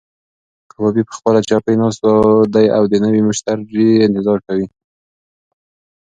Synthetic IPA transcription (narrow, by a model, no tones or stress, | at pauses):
abɑbipə̥xpəlat͡ʃɑpəjnɑst̪d̪ajawd̪ənəwimʊʃt̪aɾd͡ʒiɪnt̪ɪzɑɾkawi